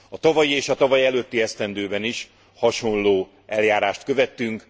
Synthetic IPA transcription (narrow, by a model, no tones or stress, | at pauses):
ɒt̪ɒvɒjieːʃɒt̪ɒvɒjiɛløːt̪ːiɛst̪ɛnd̪øːbɛniʃ | hɒʃo̞nloː | ɛljaːɾaːʃt̪kø̞vɛt̪ːyŋk